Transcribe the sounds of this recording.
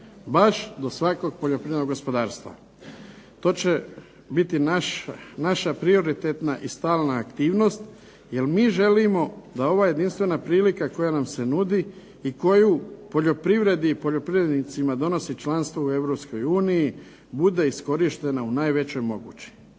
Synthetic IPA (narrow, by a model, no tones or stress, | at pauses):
baʃd̪o̞sʋako̞ɡ̚poʎopɾiʋed̪noɡo̞spo̞d̪aːɾst̪ʋa̰ | t̪o̞ːt͡ɕe | bit̪inanaʃapɾio̞ɾit̪et̪naʔist̪aːlˠnaːkt̪iːʋno̞st̪ | je̞lmiːʒe̞limo̞d̪ao̞ʋaːje̞d̪inst̪ʋe̞napɾiːlikako̞janamse̞nud̪i | iko̞jupo̞ʎo̞pɾiʋɾe̞d̪ipo̞ʎo̞pɾiʋɾed̪nit̪simad̪o̞no̞sit͡ʃlanst̪ʋoue̞ʋɾo̞psko̞juːniji | bud̪e̞isko̞ɾiʃt̪e̞naunaːjʋe̞t͡ɕo̞jmo̞ɡṵːt͡ɕi̥